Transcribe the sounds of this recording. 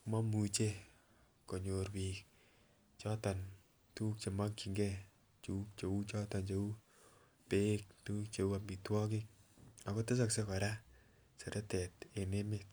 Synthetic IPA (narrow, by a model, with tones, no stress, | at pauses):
kma˦mu˨t͡ʃe˦ | ko˨ɲo˨rpiːk | t͡ʃɔ˦ta˨n | tu˦k̚t͡ʃe˨ma˦kt͡ʃi˨ŋɡɛ | t͡ʃuk̚t͡ʃe˨u˦t͡ʃɔ˦tɔ˨nt͡ʃe˦u˦ | pe˦k̚tu˦kt͡ʃe˨u˦a˨mi˨twɔ˦k̬ɪk̚a˨kɔ˦te˦s̬aksekɔ˨ɾa | se˨ɾʔe˦tɛ˨te˨ne˦mek̚